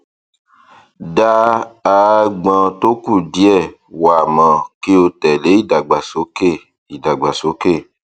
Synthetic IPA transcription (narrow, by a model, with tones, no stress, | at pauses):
da˦a˨ɡ͡bã˨to˦ku˦˨di˦ɛ˦˨ | wa˨mã˨ke˦o˧tɛ˨le˨˦i˦˨da˨ɡ͡ba˨so˦ke˦˨ | i˨da˨ɡ͡ba˨so˨˦ke˦˨